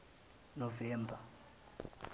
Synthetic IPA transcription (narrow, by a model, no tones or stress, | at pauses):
novɛːmbʱa